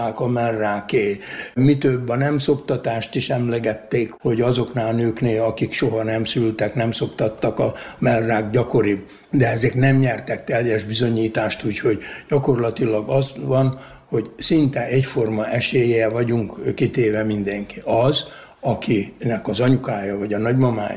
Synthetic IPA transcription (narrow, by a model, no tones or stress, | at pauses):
aːkɒmɛlraːkeːmit̪øbːɒnɛmso̞pt̪ɒt̪aːʃt̪iʃɛmlɛɡɛt̪ːeːkho̞ɟɒzo̞knaːlnøːkneːlɒkikʃoɦɒnɛmsylt̪ɛknɛmso̞pt̪ɒt̪ːɒkɒmɛlraːɡɟɒko̞ɾib | d̪ɛɛzɛknɛmɲɛrt̪ɛkt̪ɛljɛʒbizo̞ɲiːt̪aːʃt̪uːcho̞ɟɟɒko̞rlɒt̪ilɒɡɒzʋɒn | ho̞ɟsint̪ɛʔɛcfo̞rmɒʔɛʃeːjeɛvɒɟuŋkkit̪eːvɛmind̪ɛŋkiʔɒz | ɒkinɛkɒzɒɲukaːjɒvɒɟɒnɒɟmɒma̰ːj